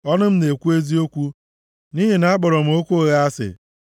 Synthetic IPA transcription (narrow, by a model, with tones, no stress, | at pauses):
ɔ˦nʊ˦m̩˦ne˨kʷu˦e˦zi˦o˦kʷu˦ | ni˦ɦe˨na˨˦a˦k͡pɔ˨ɾɔ˨m̩˨˦o˦kʷo˦ɣa˦a˦sɪ̰˨